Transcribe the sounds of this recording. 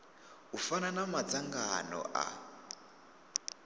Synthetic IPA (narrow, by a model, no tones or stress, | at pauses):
ufananamat͡saŋɡanɔ̰ʔa̰